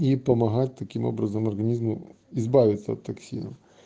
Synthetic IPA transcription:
ipɐmɐɦat̚ʲt̪ɐkʲimo̰bɾɐzɐmɐrɣɐnʲizmʊ | izbaʋʲɪt̪sɐɐt̪ːɐksʲḭnɐ̰m

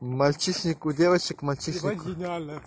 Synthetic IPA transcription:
malt͡ʃiʃnikud̪awat͡ʃikmalt͡ʃinik

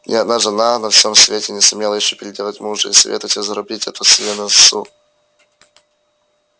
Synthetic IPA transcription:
nʲʔʲɪɐd̪̚naʐɨnanɐfsʲomsvʲetʲɪnʲɪsʊmʲelˠəjɪɕːopʲɪɾʲɪdʲelˠətʲmuʐɨḭsɐvʲḛt̪əvətʲɪzɐɾʊbʲitʲɛt̪ʊsʲlʲenəssu

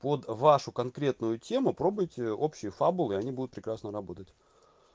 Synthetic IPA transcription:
pod̪vaʂʊkɐnkɾʲe̞t̪nʊjʊtʲe̞mʊpɾo̞bʊjtʲɪo̞pɕːɪjəfabʊlˠɨɪɐnʲibud̪ʊt̪̚pɾʲɪkɾasnəɾɐbo̞t̪ətʲ

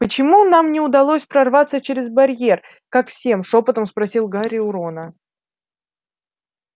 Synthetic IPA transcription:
pət͡ɕɪmunamnʲɪʊd̪ɐlˠosʲpɾɐrvat̪sət͡ɕeɾʲɪzbɐɾʲje̞r | kakfsʲe̞mʂo̞pət̪əmspɾɐsʲilˠɡaɾʲɪʊɾo̞nə

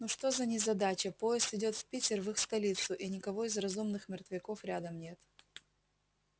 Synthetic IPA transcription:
nuʂt̪o̞zɐnʲɪzɐd̪at͡ɕəpo̞jɪst̪ɪdʲo̞t̪fpʲitʲɪrvɨxst̪ɐlʲit̪sʊʔɪnʲɪkɐvo̞ɪzrɐzumnɨxmʲɪrt̪vʲɪko̞fɾʲad̪əmnʲe̞t̪

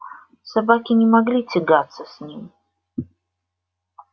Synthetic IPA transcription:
sabakʲɪnʲɪmɐɡlʲit͡sʲɪɡat̪sːəsʲnʲim

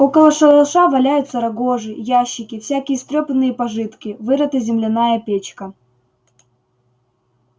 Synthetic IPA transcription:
o̞kəlˠəʂɐlˠʂavɐlʲæjʊt̪sɐɾɐɡo̞ʐɨjæɕːɪkʲɪfsʲækʲɪjəst̪ɾʲopənːɨjəpɐʐɨt̪kʲɪvɨɾɐt̪ɨzʲɪmlʲɪnajəpʲet͡ɕkɐ

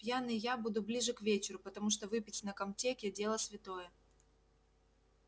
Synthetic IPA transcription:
pʲjanɨjabud̪ʊblʲiʐɨkvʲet͡ɕɪɾʊpɐt̪ɐmuʂ̬t̪ɔvɨpʲɪtʲnɐkɐmt͡sʲekʲɪd͡zʲelˠəsʲvʲɪt̪ojɛ

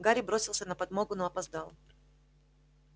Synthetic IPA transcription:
ɡaɾʲɪbɾo̞sʲɪlˠsʲənəpɐd̪moɡʊnoɐpɐzd̪ɑlˠ

